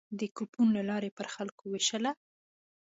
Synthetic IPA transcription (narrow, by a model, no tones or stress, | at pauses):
d̪əkupunlalɑɾepəɾxalkoweʃəla